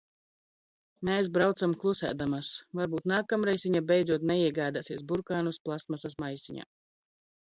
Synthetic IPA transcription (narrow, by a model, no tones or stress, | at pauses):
mes̬bɾawt̪samklˠusæ̰ːd̪amasvaɾbuːt̪naːkamɾɛjsvʲiɲabʲɛjd̪zuɔt̪nɛiɛɡaːd̪asiɛsbuɾkaːnusplˠasmasasmajsiɲa̰ː